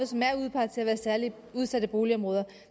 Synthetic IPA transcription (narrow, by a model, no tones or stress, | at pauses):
smæɐ̰uð̞̰ˠpʰɑ̥̈t͡sʰe̝æʋæːɐsæɐli | uð̞ˠsæd̥əb̥o̝ːliɒ̽mʁɔ̽ːð̞ˠɐ